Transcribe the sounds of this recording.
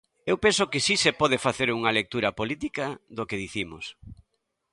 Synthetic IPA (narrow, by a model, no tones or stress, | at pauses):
ewpensokɪsisepɔð̞efaθeɾuŋɐlek̚t̪uɾɐpolit̪ikaðokeðiθimos